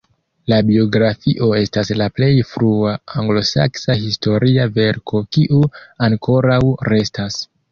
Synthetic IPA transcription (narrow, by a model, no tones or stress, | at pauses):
labio̞ɡɾafiʔo̞e̞staslaple̞jfɾuaaŋɡlo̞sa̰ksahisto̞ɾiave̞ɾkʰo̞kiʔuaŋkʰo̞ɾawɾe̞stas